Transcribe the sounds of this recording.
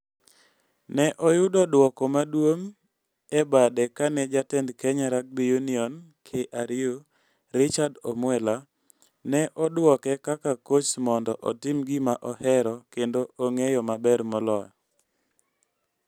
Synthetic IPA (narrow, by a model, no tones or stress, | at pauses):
nɛʔɔjʊdɔdwɔkɔmadwoŋ | ɛbadɛkanɛd͡ʒatɛndkɛɲaɾak̚bijuniɔnkʰeʔaɾɪo | ɾɪt͡ʃadɔmwɛla | nɛʔɔdwɔkɛkakakot͡ʃmɔndɔʔɔtɪmɡɪmaʔɔhɛɾɔkendoʔoŋejɔmabɛɾmɔlɔjɔ